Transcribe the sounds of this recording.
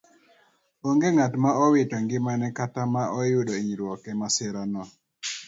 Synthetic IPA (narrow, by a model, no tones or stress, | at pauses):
oŋɡeŋatmaɔwɪtɔŋɡɪmanɛkatamaʔɔjʊɗɔiɲiɾwɔkɛmasɪɾanɔ